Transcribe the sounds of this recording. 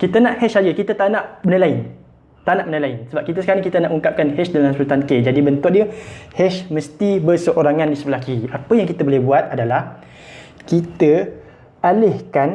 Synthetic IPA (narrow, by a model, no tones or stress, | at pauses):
kit̪ənãʔhɛsad͡ʒəkit̪ət̪anãʔmənəlaɪn | t̪anaʔmənəlaɪnsəbap̚kit̪əsə̥kaɾaŋkit̪ənaʔuŋkap̚kanhɛsdalamsəut̪anked͡ʒadibənt̪ʊʔ̚diəhɛʃmə̃st̪ibərsəʔoɾaŋãndisəbəlakiapəjaŋkit̪əbolɛhbuat̪̚adalah | kit̪ə | alɪhkan